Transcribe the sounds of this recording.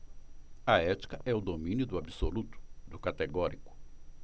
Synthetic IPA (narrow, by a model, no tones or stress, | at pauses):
ɐɛt͡ʃi̥kɐʔɛʊd̪omĩnjʊd̪ʊabisolut̪ʊ̥d̪ʊkat̪eɡɔɾikʊ̥